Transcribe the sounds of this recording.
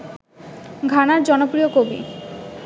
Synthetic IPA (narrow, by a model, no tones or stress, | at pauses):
ɡʱanaɾd͡ʑɔnopɾiokobḭ